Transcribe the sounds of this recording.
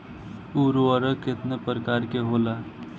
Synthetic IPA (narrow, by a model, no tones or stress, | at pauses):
uɾoəɾəket̪nepɾəkaɾkeɦola